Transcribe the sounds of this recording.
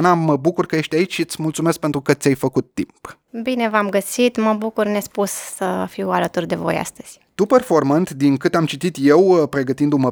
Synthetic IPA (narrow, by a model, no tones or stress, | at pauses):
naməbukurkəje̞ʃt̪ʲait͡ʃʃiɨt̪sʲmult̪sume̞sk̚pent̪ɾukət̪sʲajfəkut̪ːimp | bine̞vamɡəsit̪məbukurnespussəfiwalət̪urd̪e̞vo̞̰ja̰st̪əz̥ʲ | t̪uperfo̞rmənt̪d̪iŋkɨt̪amt͡ʃit̪it̪je̞wpɾe̞ɡət̪ind̪umə